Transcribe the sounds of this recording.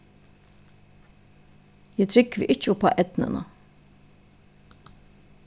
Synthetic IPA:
jæt̪ʰɾɪkːʋɪ̰ʔɪt͡ʃʊpʰa̰ʔɛt̪nə̰nɑ̰

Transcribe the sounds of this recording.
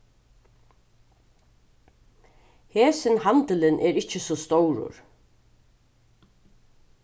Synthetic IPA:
heːsɪnhant̪ɪlɪnʔɛɾɪt͡ɕːɪsɔst̪owɾʊ̰ɾ

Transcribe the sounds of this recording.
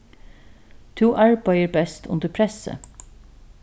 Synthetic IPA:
t̪ʰuːʔɑɹbɑɪəɹbɛst̪ʰʊ̰nd̪əpʰɹɛsə̰

